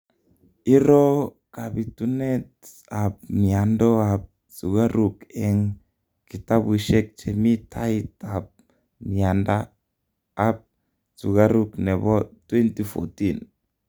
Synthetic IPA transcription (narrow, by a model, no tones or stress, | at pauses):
iɾo | kabit̪unɛt | ap̚miandɔap̚ | suɡaɾukɛŋ | kit̪abwiʃɛk̚t͡ʃɛmitʰaitap̚ | miandaː | p̚ | suɡaɾuknɛβɔt̪wɛnt̪ifo̰t̪in